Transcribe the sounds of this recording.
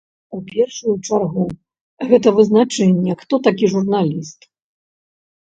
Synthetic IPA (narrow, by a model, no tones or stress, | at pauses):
upʲɛrʂujut͡ʂarɣu | ɣɛt̪ɐvɨznat͡ʂɛnʲːɛxt̪ɔt̪akʲiʐurnalʲist̪